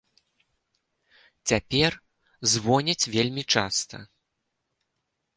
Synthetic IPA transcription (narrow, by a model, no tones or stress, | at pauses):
t͡sʲapʲɛr | zvɔnʲɛt͡sʲvʲelʲmʲit͡ʂa̰st̪ɐ̰